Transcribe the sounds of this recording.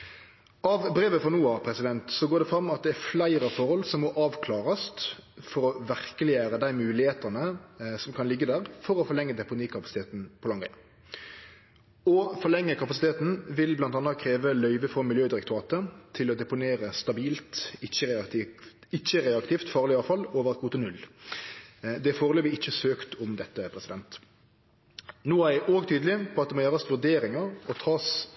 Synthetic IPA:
ʔɑʋbɾeːʋəfɔnuːɑpʰɾɛsɪd̪ɛnt̪sɔɡoːd̪ɛfɾɑmːɑt̪̚d̪ɛæflæɪɾɑfɔʁhɔlsɔmːɔʔɑːʋkʰlɑːʁɑst̪fɔɾɔʋæʁkəlɪæːɾəd̪æɪmʉːlɪheːt̪ənəsɔmkʰɑnlɪɡːəd̪æːʁfɔɾɔfɔʁlɛŋːəd̪ɛpʊniːkʰɑpɑsɪt̪ʰeːt̪n̩pʰɔlɑŋæ̰ | ɔfɔʁlɛŋːəkʰɑpɑsɪt̪ʰeːt̪n̩ʋɪlblɑnt̪ɑnəkʰɾeːʋəlœʏʋəfʁɔmɪljøːd̪ɪɾɛkt̪ʊʁɑːt̪ət̪ʰɪlɔd̪ɛpʊneːʁəst̪ɑbiːlt̪ɪçəʁɑt̪ː | ɪt͡ʃːəʁeːɑkt̪ift̪fɑːʁlɪɑːʋfɑloːʋəʁɑt̪̚ɡuːt̪ənʉlː | d̪ɛfoːʁəløːʋɪɪçːəsøːkt̪ʰɔmd̪ɛt̪ːəpʰʁɛsɪd̪ɛnt̪ | nuːæɪʔoːɡt̪ʰyːd̪lɪpʰɔɑt̪̚ɛmoːjøːʁəsʋʉʁd̪eːɾɪŋɑʁɔt̪ʰɑːs

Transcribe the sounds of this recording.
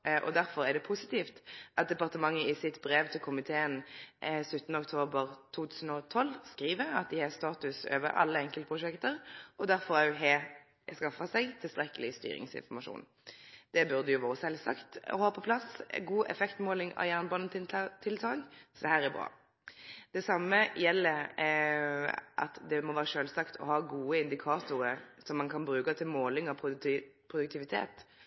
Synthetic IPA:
ʔɔ̰d̪æɾfɔɾæʁdɖ̪ɛpʰʊsɪt̪iːft̪ʔɑt̪̚d̪ɛpɑʁt̪əmɑŋːəɪsɪt̪bɾeːʋt̪ʰɪlkʰʊmɪt̪ʰeːənsʉt̪ːnəɔkt̪ʰoːbəʁt̪ʰuːt̪ʰʉːsn̩ɔt̪ʰɔlːskɾiːʋəɑ̰t̪̚d̪ɪhɛst̪ɑːt̪ʉsø̰ːʋə̰ɾʔɑ̰lːəɛŋkəlt̪əpʰʁʊʂɛkt̪əɾʔɔd̪æɾfɔʁɦɛ | skɑfɑsɛɪɡt̪ʰɪlst̪ɾɛkəlɪst̪y̰ːɾɪ̰ŋsɪ̰nfɔʁmɑʂṵːn | d̪̥ɛbʉʁd̪əjʊʋoːʁəsɛlsɑ̰kt̪ɔ̰hɑːpʰɔpʰlɑsɡuːʔɛ̰fɛkt̪moːlɪŋɑ̰jæːʁnəbɑːnən̩t̪ʰɪt̪ʰɪlt̪ʰɑːŋsɔd̪ɛhæːʁæʁbʁɑ̰ː | d̪̥ɛsɑmːəjɛlːə | ʔɑ̰t̪d̪ɛmɔʋæːɾəʂøːlsɑkt̪ʰɔ̰hɑːɡuːəɪnd̪ɪkʰɑːt̪ʊɾəsɔmːɑnkʰɑnbɾʉːkɑt̪ʰɪlmoːlɪŋɑpʰʊpʰʁʊd̪ʉk̚t̪ɪʋɪt̪ʰḛːt̪

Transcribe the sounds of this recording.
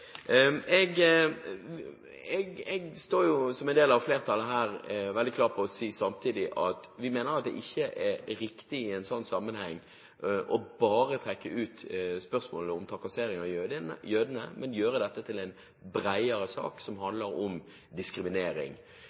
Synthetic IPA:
ɛɡ | ɛɡɛɡst̪oːɾjʊsɔmɛnd̪eːlɑʋfleːʁt̪ʰɑlːəɦæːɾʋɛld̪ɪkʰlɑːʁt̚pʰɔɔsiːsɑmt̪ʰiːd̪ɪʔɑt̪ʋɪmeːnəɾɑt̪̚d̪ɛ̰ʔɪçːəʔɛɾɪkt̪ɪɪæɪnsɔnːsɑmːənhɛŋː | ʔɔbɑːɾət̪ʰʁɛkːəʔʉːt̪spœʁsmoːləɔmt̪ʰɑkɑseːɾɪŋɑjøːd̪ənə̰mɛnjøːɾəd̪ɛt̪ːət̪ʰɪlæɪn | bɾæɪəɾəsɑ̰ːksɔmhɑnd̪ləɾɔm | d̪ɪskɾɪmɪneːɾɪ̰ŋ

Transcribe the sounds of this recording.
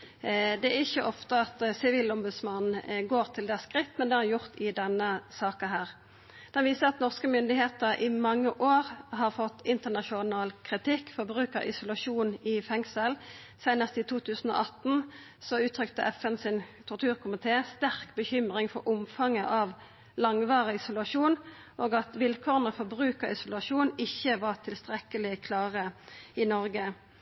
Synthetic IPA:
d̪ɛæʁɪçəʔɔft̪əɑt̪sɪʋiːlɔmbʉd̪smɑnn̩ɡoːʁt̪ʰɪld̪ɛskʁɪt̪ːmɛnd̪ɛhɑʁjʊʁt̪ɪd̪ɛnːəsɑːkɑɦæːʁ | d̪̥ɛnʋiːsəʁɑt̪nɔʁskəmʏnd̪ɪheːt̪əʁʔɪmɑŋːəʔoːʁɦɑʁfɔt̪ːɪnt̪əʁnɑʃʊnɑːlkʰʁɪt̪ʰɪkːfɔbʁʉːkəɾɪ̰sʊlɑʂuːnɪfɛŋsəl | sæɪnəst̪ɪt̪ʰuːt̪ʰʉːsən̩o̰ːʔɑt̪n̩ | sɔʉːt̪ʰʁʏkt̪ə̰ʔɛfənsɪnt̪ʰɔʁt̪ʰʉːʁkʰʊmɪt̪ʰeːst̪æʁkbəçʏmʁɪŋfɔʁʔʊmfɑŋəʔɑʋ | lɑŋʋɑːʁəɪsʊlɑʂuːn | ʔoːɡɑt̪ʋɪlkʰoːʁənəfɔʁbʁʉːkəʁɪsʊlɑʂuːnɪçːəʋɑʁt̪ʰɪlst̪ʁɛkəlɪkʰlɑːʁəɪnɔʁɡə

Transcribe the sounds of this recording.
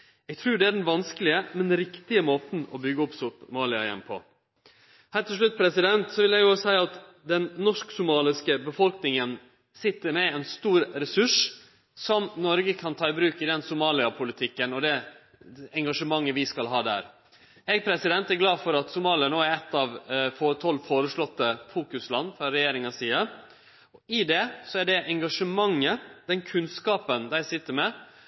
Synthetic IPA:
ɛɡt̪ʰɾʉːɖɛæɖɛnʋɑnskəlɪəmɛnɾɪkt̪ɪəmoːt̪n̩ɔbʏɡːəʊpsʊp̪mɑːlɪɑ̰jɛ̰npʰɔ̰ | hæːʈ̪ʰɪʂɭʉt̪̚ːpʰɾɛsɪd̪ɛnt̪sɔʋɪljɛɡjʊsæɪɑt̪ | d̪ɛnːɔʂksʊmɑːlɪskəbəfɔlknɪŋən | sɪt̪ːəɾmɛɛnst̪uːɾɾɛsʉʂ | sɔmnɔɾɡəkʰɑnt̪ʰɑːɪbɾʉːkɪd̪ɛnsʊmɑːlɪɑpʰʊlɪt̪ʰɪkːənɔd̪ɛ | ɛŋɡɑʂəmɑŋːəʋɪskɑlɦɑːd̪æ̰ɾ | ɛɡ̚pʰɾɛsɪd̪ɛnt̪æɾɡlɑːfɔɾɑt̪sʊmɑːlɪɑnoːæɾɛt̪ːɑʋfoːt̪ʰɔlːfoːɾəʂlɔt̪ːəfuːkʉslɑnːfɾɑɾɛjeːɾɪŋɑsiːəɾ | ɔɪd̪ɛsɔæɖɛʔɛŋɡɑʂəmɑŋːəd̪̥ɛnkʰʉnskɑːpənd̪æɪsɪt̪ːəɾmɛ

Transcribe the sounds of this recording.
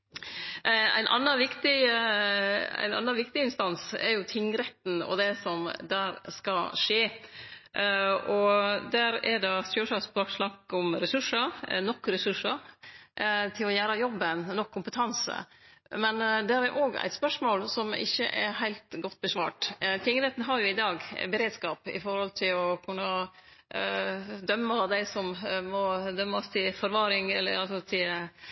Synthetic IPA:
æ̰ɪnʔɑ̰nːəʋɪkt̪ɪ | æ̰ɪnɑ̰nːɑnʋɪkt̪ɪɪnst̪ɑnsɛ̰ɾjʊt̪ʰɪŋːɾɛt̪n̩ɔ̰d̪ɛsɔmd̪æːɾskɑʂeː | ɔd̪æːɾɛd̪ɑsøːʂɑsbɾoːkʂlɑkːɔmɾɛsʉʂəɾnɔkːɾɛsʉʂəɾ | t̪ʰɪlɔjæːɾɑjɔbːənnɔkʰːʊmpət̪ʰɑnsə̰mɛnd̪ɛɾɛɾʔoːɡæ̰ɪt̪spœʂmoːlsɔmɪ̰çːə̰ʔɛ̰ɦæɪlt̪ɡɔt̪ːbəsʋɑ̰ːʈt̪ʰɪŋəɾeːt̪n̩ɦɑɾjʊɪd̪ɑːɡbəɾeːd̪skɑːpɪ̰fɔɾhɔlt̪ʰɪlɔkʰʉnːə | d̪œmːɑd̪æɪsɔmmɔd̪œmːəɔst̪ʰɪlfɔɾʋɑːɾɪŋɛlːə̰ɾɑlsɔt̪ʰɪl

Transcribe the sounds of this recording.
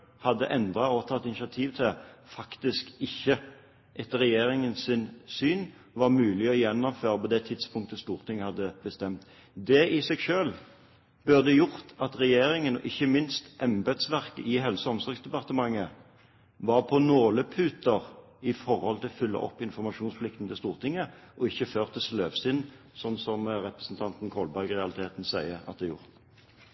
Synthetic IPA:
hɑd̪ːə̰ʔɛnd̪ɾɑɔt̪ʰɑt̪ːɪnɪʃɑt̪ʰiːʋt̪ʰɪfɑkt̪ɪskɪçːə | ʔɛt̪ɾɛjeːɾɪŋənsɪnsyːn | ʋɑʁmʉːlɪɔjɛnːɔmføːʁəpɔd̪ɛt̪ʰɪd̪spʰʊŋkt̪əst̪uːʁt̪ʰɪŋːhɑd̪ːəb̥əst̪ɛmt̪ | d̪ɛʔɪsɛɡʃøːl | b̥øʁd̪ɛjʊʁt̪ɑt̪ʁɛjeːɾɪŋənʔɪçːəmɪnst̪ʔɛmbɛd̪sʋæʁkəʔɪɦɛlsəɔmsɔɾɡsd̪ɛpɑʁt̪əmɑŋːə | ʋɑʁpʰɔnoːləpʰʉːt̪əʁ | ɪfɔʁhɔlt̪ʰɪlfʏlːə̰ʔɔ̰pːɪnfɔʁmɑʃuːnspʰlɪk̚t̪n̩t̪ɪst̪uːʁt̪ʰɪŋːəʔɔɪçːəføːʁt̪ʰəsløːʋsɪnː | sɔnsɔmʁɛpʁəsn̩t̪ʰɑnt̪n̩kʰɔlbæɾɡʁɛɑlɪt̪ʰeːt̪n̩sæɪəɑt̪̚d̪ɛæjʊ̰ʁt̪

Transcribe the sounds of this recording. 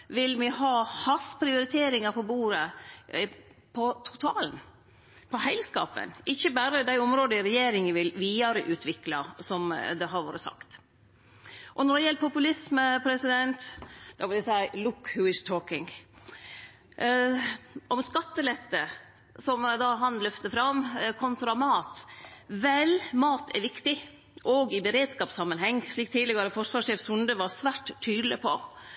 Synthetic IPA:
ʋɪlmɪhɑːhɑspʰɾɪʊɾɪt̪ʰeːɾɪŋɑɾpʰɔbuːɾə | pʰɔt̪ʰʊ̥t̪ʰɑːln | pʰɔhæɪlskɑ̰ːpə̰nʔɪçːəbæɾəd̪æɪɔmɾoːd̪əɪɾɛjeːɾɪŋʋɪlʋiːɑɾəʔʉːt̪ʰʋɪklɑ̰sɔmd̪ɛɦɑɾʋo̰ːɾəsɑ̰kt̪ | ʔɔnɔɖɛjɛlt̪pʰʊpʉlɪsməpʰɾɛsɪd̪ɛnt̪d̪̥ɑːʋɪld̪æsæɪlʊkhʉɪst̪ʰoːkɪŋ | ʔɔmskɑt̪ːəlɛt̪ːə | sɔmd̪ɑːɦɑnlœft̪əfɾɑmkʰɔnt̪ɾɑmɑːt̪ʋɛlmɑːt̪ʰɛɾʋɪkt̪ɪ | ʔɔɡɪbəɾeːd̪skɑːpsɑmːənhɛŋːʂɭiːk̚t̪ʰiːd̪ləɡɑɾəfɔɾʂʋɑːʂeːfsʉnd̪əʋɑɾsʋæːʈ̪ʰːyːd̪lɪpʰɔ̰

